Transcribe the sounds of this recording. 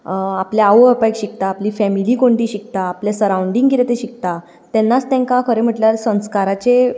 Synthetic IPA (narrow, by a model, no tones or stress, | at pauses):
apljaːʋəpajkɕik̚t̪aːplifɛmilikoɳʈĩɕik̚t̪aːpljasəɾauɳɖĩŋɡkiɾet̪eɕik̚t̪a | t̪ɛnːat͡st̪ɛ̃ŋkãkʰəɾem̤əʈljalsə̃w̃skaɾat͡ɕe